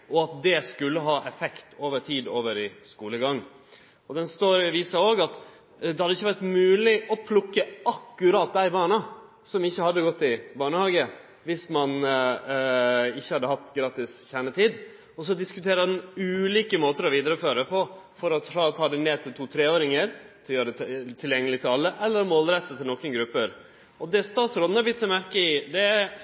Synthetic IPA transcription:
ɔɑt̪̚d̪ɛskʉlːəɦɑːʔɛfɛkt̪oːʋəʈʰiːd̪oːʋəɾɪskuːləɡɑŋ | ɔd̪ɛnst̪oːɾʋiːsəoːɡɑt̪ | d̪ɛhɑd̪ːəɪçːəʋæʈmʉːlɪʔɔpʰlʊkːəɑkːʉɾɑːt̪̚d̪æɪbɑːɳɑ | sɔmɪçːəhɑd̪ːəɡɔt̪ːɪbɑːɳəhɑːɡə | ʋɪsmɑn | ɪçːəhɑd̪ːəhɑt̪ːɡɾɑːt̪ɪsçæɳət̪ʰiːd̪ | ɔs̬ɔd̪ɪskʉt̪ʰeːɾəd̪ɛnʉːliːkəmoːt̪əɾɔʋiːd̪əɾəføːɾəpʰɔfɔɾɔɾɑt̪ʰɑːd̪ɛneːt̪ʰɪlt̪ʰuːt̪ʰɾeːoːɾɪŋəɾt̪ʰɪjøːɾəd̪ɛt̪ʰɪljɛŋːəlɪt̪ʰɪlɑlːəʔɛlːəɾmoːlɾɛt̪ːət̪ʰɪlnɔkənɡɾʉpːəɾ | ʔɔd̪ɛst̪ɑːt̪sɾɔd̪̩hɑblɪt̪sɔmæɾkəɪd̪ɛ

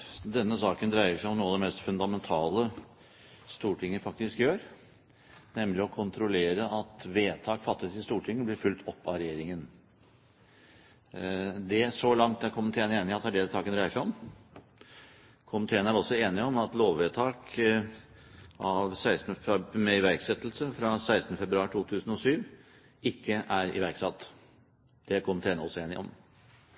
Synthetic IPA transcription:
d̪ɛnːəsɑːkənd̪ɾæɪəʂæɪɔmnuːɑd̪ɛmɛst̪fʉnd̪ɑmɛnt̪ʰɑːlə | st̪uːʈʰɪŋːəfɑk̚t̪ɪskjøːɾ | nɛmːlɪɔkʰʊnt̪ʰɾʊleːɾəɑt̪ʋeːt̪ʰɑːkfɑt̪ːət̪ɪst̪uːʈʰɪŋːəblɪɾfʉlt̪ʰɔpːɑɾɛjeːɾɪŋən | d̪ɛsɔlɑŋt̪æɾkʰʊmənt̪ʰeːneːnɪɑt̪æɖɛsɑːkənd̪ɾæɪəʂæɪɔm | kʰʊmt̪ʰeːnəæɾɔsːɔeːnɪɔmɑt̪loːʋʋeːt̪ʰɑːk | ɑʋsæɪst̪ənəmɛɪʋæɾksɛt̪ːlsəfɾɑsæɪsnəfɛbɾʉɑːɾʈʰuːt̪ʰʉːsn̩ɔsyːʋ | ɪkːəʔæɾɪ̰ʋæɾksɑt̪ː | d̪̥ɛkʰʊmt̪ʰeːnəɔsːɔeːnɪɔ̰m

